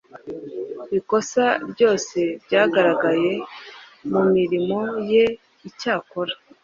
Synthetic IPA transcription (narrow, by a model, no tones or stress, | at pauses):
βiko̞saɾɟo̞ːse̞bɟaːɡaɾaɡaje̞ | mumiɾimo̞je̞ | icaːkoɾḁ